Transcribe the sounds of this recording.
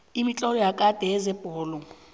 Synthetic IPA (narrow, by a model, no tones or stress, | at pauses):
imit͡ɬʼɔɾɔjakʼad̥ʱʼɛɛzɛbʼɔːlɔ